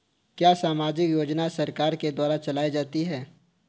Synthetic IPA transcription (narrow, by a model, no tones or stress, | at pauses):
kjaːsaːmaːd͡ʒɪkjoːd͡ʒnasɐɾkaːɾked̪waːɾat͡ʃɐlaːid͡ʒaːt̪iɦɛː